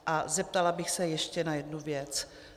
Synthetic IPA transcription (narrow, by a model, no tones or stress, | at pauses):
ʔazɛp̚t̪alabɪxsɛjɛʃcɛnajɛdnuvjɛt͡s